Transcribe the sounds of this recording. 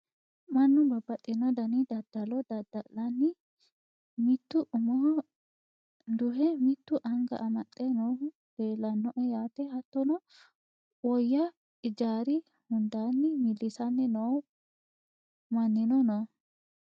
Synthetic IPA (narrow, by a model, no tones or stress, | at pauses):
mɐnːʊbɐbːɐt̪ʼːɪnːɔd̪ɐnɪd̪ɐd̪̥ɐlɔd̪ɐd̪ɐlɐnːɪ | mɪt̪ːʊʔʊmɔh | d̪ʊɦɛmɪt̪ːʊʔɐŋɡɐ̰ʔɐmɐt̪ʼːɛnɔw | d̪̥eːlːɐnːɔʔɛjaːt̪ɛhɐt̪ːɔnɔ | wɔjːɐ | ɪd͡ʒaːɾɪ | hʊnd̪aːnːɪmɪlːɪsɐnːɪnɔw | mɐnːɪnɔnɐ